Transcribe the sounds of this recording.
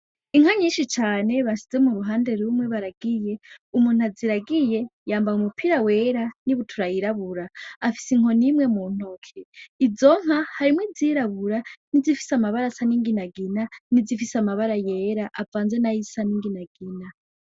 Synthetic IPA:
iŋ̥aɲiːnʃit͡ʃaːne̞βaʃi̥ze̞muɾuɦaːnde̞ɾumwe̞βaɾaɡije̞umuːn̥uaziɾaɡije̞jaːmbajumupʰiɾawe̞ːɾaniβutʰuɾajiɾaβuɾaːfi̥siŋo̞nimŋe̞mun̥okʰeizo̞ŋ̥hahaɾimwiziɾaβuɾanizifi̥samaβaɾasaniŋɡinaɡinanizifisamaβaɾaje̞ɾaʔavaːnzenajisaniŋɡinaɡ̥ina

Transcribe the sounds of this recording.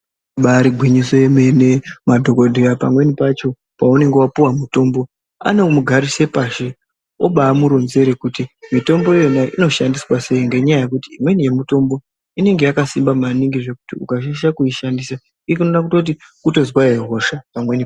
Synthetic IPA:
ɓaɾiɡʱwiɲiso̞eme̞nemadʱo̞ko̞dʱiɾapamwe̞nipat͡ʃo̞ | paune̞ŋɡewapuwamuto̞mbo̞ | a̰nemuɡʱaɾise̞paʃe | o̰ɓaːmuɾonze̞ɾekutimito̞mbo̞ije̞naʔino̞ʃandiswase̞iŋɡe̞ɲajaje̞kutiːmwe̞nije̞muito̞mbo̞ | ine̞ŋɡejakasimbamaniŋɡiʐe̞kutiukaʃaʃakuiʃandisa | ikinonakutot̬i | kuto̞zwaeɦo̞ʃapamwe̞nip

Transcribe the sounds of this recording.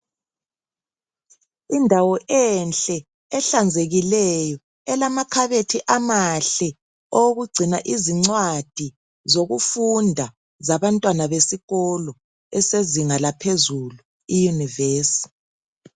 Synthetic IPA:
indʱawɔʔɛnɬʼɛ | ɛɬand͡zʱeɣilɛjɔ | ɛlamakʰaβetʰiʔamaɬɛ | owɣuɡ͡ǀʱinaʔiziŋ͡ǀwad̥ʱi | zoɣufundʱa | zaβantʼwanaβesiɣɔlɔ | ɛseziŋalapʰezulu | ijuniveːsi̥

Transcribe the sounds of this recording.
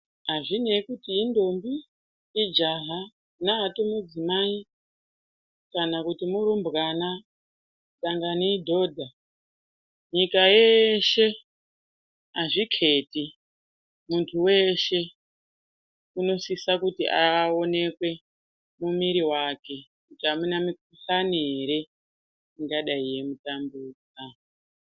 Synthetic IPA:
ɦaʐine̞kutiindo̞mbiː | d͡ʒaɦa | naɦatomud͡zimai | kanakutimuɾumbɣana | ɗaŋɡanidʱo̞ːdʱa | ɲikajeʃe̞ | aʐikʰe̞ti | muntʰuwe̞ʃe̞ | uno̞sisakutḭʔao̞ne̞kwe̞ | mumiɾiwake̞kutiamunamikuɬaniɦeɾe̞ | iŋɡaɗaije̞mutambuːd͡za

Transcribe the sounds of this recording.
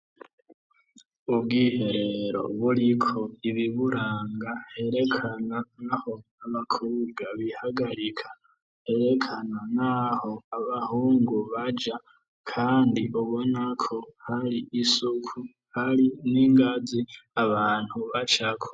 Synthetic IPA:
ubɡiːhe̞ɾe̞ɾo̞̰βuɾikʰo̞iβiβuɾaːŋɡahe̞ɾe̞kʰananaho̞ | aβakʰuːbɡaβihaɡaɾikʰḁ | he̞ɾe̞kʰananaho̞aβahuːŋɡuβad͡ʒa | kʰaːndiʔuβo̞nakʰo̞haɾiʔːsukʰu | haɾiniːŋɡaziaβaːn̥huβat͡ʃakʰo̥

